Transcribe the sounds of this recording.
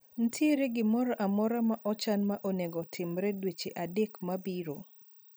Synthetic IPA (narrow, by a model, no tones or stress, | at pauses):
n̩tʰiɾeɡɪmɔɾɔʔamɔɾamaʔɔt͡ʃanmaʔoneɡɔtʰɪmɾɛdwet͡ʃeʔadekmabiɾo